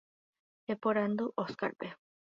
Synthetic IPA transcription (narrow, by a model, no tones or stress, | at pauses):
epoɾand̪uʔoska̰ɾpe